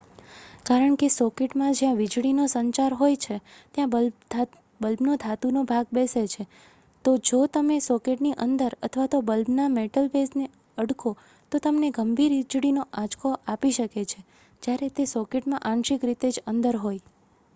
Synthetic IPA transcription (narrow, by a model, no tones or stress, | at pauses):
kaɾəɳkesɔkeʈmãd͡ʒjãʋid͡ʒɽinosəɲt͡ʃaɾɦojt͡ʃʰet̪jãbəl | bəlbnod̪ʱat̪unobʱaɡ̚beset͡ʃʰe | t̪od͡ʒot̪əmesɔkeʈniʔənd̪əɾət̪ʰʋat̪obəlbnameʈəlbesne | əɽkʰo | t̪ot̪əmneɡəmbʱiɾid͡ʒɽinoʔad͡ʒkʰoʔapiʃəket͡ʃʰe | d͡ʒjaɾet̪esɔkeʈmãʔãnʃikɾit̪ed͡ʒənd̪əɾɦoj